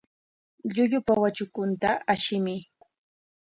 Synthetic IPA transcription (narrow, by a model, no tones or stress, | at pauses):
ʎʊʎʊpawat͡ʃʊkʊnt̪aaʃɪmɪ